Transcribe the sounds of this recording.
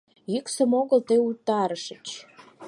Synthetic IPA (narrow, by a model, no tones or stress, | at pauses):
jyksə̆moɣəlt̪ɤjut̪ːɑɾəʃət͡ɕ